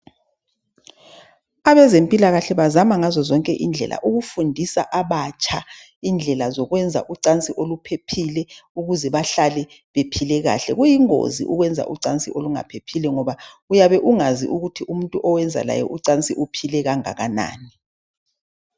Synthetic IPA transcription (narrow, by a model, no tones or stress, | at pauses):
aβɛzempʼilaɣaɬɛβazamaŋazɔzɔŋkʼɛʔind͡ɮʱɛ̰lʔa̰ʔuɣufundʱisaʔaβat͡ʃʼa | ind͡ɮʱɛlazɔɣwɛnd͡zʱa̰ʔuǀant͡sʼiʔolupʰepʰilɛuɣuzɛβaɬalɛ | βepʰilɛɣa̰ɬɛɣujiŋo̰zḭʔuɣwɛnd͡zʱa̰ʔuǀant͡sʼiʔoluŋa̰pʰepʰilɛŋɔβa | ujaβɛʔuŋazḭʔuɣutʰiʔum̩ntʼuʔɔwɛnd͡zʱa̰la̰jɛ̰ʔuǀant͡sʼiʔupʰilɛɣaŋa̰ɣana̰ːni